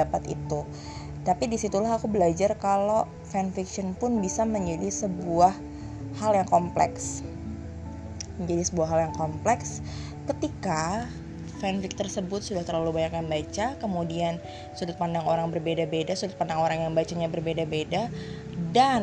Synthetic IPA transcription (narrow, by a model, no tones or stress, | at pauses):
apat̪ḭt̪u | t̪apidisit̪ulaɦakubəlad͡ʒarkalo | fɛnfikʃɔnpʊnbisaməɲd͡ʒadisəbuah | haljaŋkɔmplɛ̰ks | məɲd͡ʒadisəbuahɦːaljaŋkɔmplɛks | kət̪ika | fɛnfɪk̚t̪ərsəbʊt̪̚sudaht̪ərlalubaɲakjanbat͡ʃakəmudian | sulʊt̪̚pandaŋoɾaŋbərbedabedasulʊt̪̚pandaŋoɾaŋjaŋbat͡ʃaɲabərbedabeda | dan